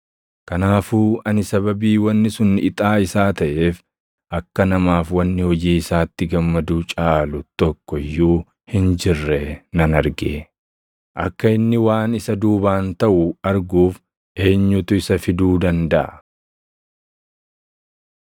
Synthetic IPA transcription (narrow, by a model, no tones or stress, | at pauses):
kɐnaːfuːɐnɪsɐβɐbiːwɐnːɪsʊnːɪt̪ʼaːɪsaːt̪ɐʔe̞ːf | ʔɐkːɐnɐmaːfwɐnːɪhɔd͡ʒiːɪsaːt̪ːɪɡɐmːɐd̪ut͡ʃʼaːlʊt̪ɔkːɔjːuː | hɪnd͡ʒɪrːɛnɐnɐɾɡḛ | ʔɐkːɐɪnːɪwaːnɪsɐd̪uːbaːnt̪ɐʔʊɐɾɡuːf | ʔe̞ːɲːʊt̪ʊɪsɐfɪd̪uːd̪ɐnd̪ɐʔɐ